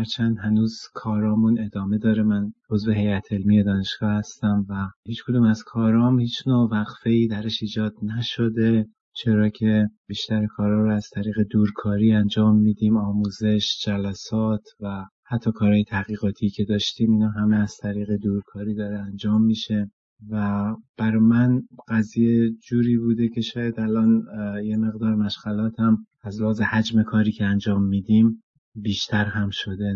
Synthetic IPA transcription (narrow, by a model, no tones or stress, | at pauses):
æɾt͡ʃʰænd̪hænuːzkʰɒːɾɒːmune̞d̪ɒːme̞d̪ɒːɾemænozve̞ɦe̞jæt̪ʰe̞lmije̞d̪ɒːne̞ʃɡ̥ɒːhæst̪æmvæhiːt͡ʃkʰod̪uːmæz̥kʰɒːɾɒːmhiːt͡ʃnoːvæɣfe̞iːd̪æɾeʃiːd͡ʒɒːd̪næʃod̪e | t͡ʃʰe̞ɾɒːcʰe̞biːʃt̪æɾekʰɒːɾɒːɾoæz̥t̪ʰæɾiːɣe̞d̪uːɾkʰɒːɾiːænd͡ʒɒːmːiːd̪iːmɒːmuːze̞ʃd͡ʒælæsɒːt̪ʰvæhæt̪ʰːɒːkʰɒːɾɒːje̞t̪ʰæɣiːɣɒːt̪ʰiːcʰe̞d̪ɒːʃt̪iːmiːnɒːɦæmeæz̥t̪ʰæɾiːɣe̞d̪uːɾkʰɒːɾiːd̪ɒːɾeænd͡ʒɒːmːiːʃe̞ | væb̥æɾɔmænɢæzijed͡ʒuːɾiːbuːd̪e̞cʰe̞ʃɒːjæd̪ælʔɒːnje̞me̞ɣd̪ɒːɾmæʃɡælɒːt̪ʰæm | æzleɦɒːzehæd͡ʒme̞kʰɒːɾiːcʰeænd͡ʒɒːmːiːd̪im | biːʃt̪ʰæɾɦæmʃo̞d̪e